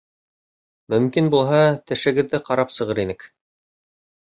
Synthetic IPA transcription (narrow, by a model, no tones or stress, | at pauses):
mɵ̆mkinbulˠɦɑt̪ɘ̆ʃɘ̆ɡɘ̆ðːɘqɑɾɑpsɤ̆ʁɤɾinɘk